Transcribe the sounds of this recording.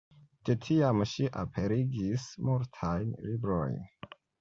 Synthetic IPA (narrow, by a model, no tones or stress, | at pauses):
detʰiamʃiʔa̰pʰe̞ɾiɡismuɾtʰajnlibɾo̰jn